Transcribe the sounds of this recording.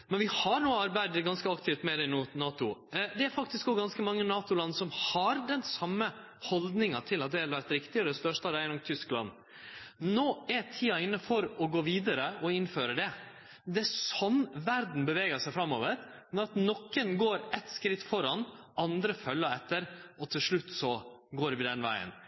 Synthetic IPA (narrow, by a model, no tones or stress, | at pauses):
mɛnʋɪhɑɾnuːəɑɾbæɪd̪ɡɑnskəɑkt̪ʰɪft̪mɛd̪ɛɪnuːnɑːt̪ʊd̪ɛæɾfɑk̚t̪ɪskɔɡɑnskəmɑŋːənɑːt̪ʊlɑnːsɔmhɑɾd̪ɛnsɑmːə | hɔld̪nɪŋɑt̪ʰɪlːɑt̪̚d̪ɛhɛləʋæɾt̪ɾɪkt̪ɪɔd̪ɛst̪œʂʈɑɾæɪnɔmt̪ʰʏsklɑ̰nː | noːɛɾt̪ʰiːɑɪnːəfɔɾɔɡoːʋiːd̪əɾəɔɪnføːɾəɖɛ | d̪ɛsɔnʋæɾd̪n̩bəʋɛːɡəsæɪfɾɑmːoːʋəɾ | nɔɾɑt̪nɔkːənɡoːɾɛt̪skɾɪt̪ːfɔɾɑnʔɑnd̪ɾəfœlːəɾɛt̪ːəɾɔt̪ʰɪlʂɭʉt̪ːsɔɡoːɾʋɪd̪ɛnʋæ̰ɪə̰n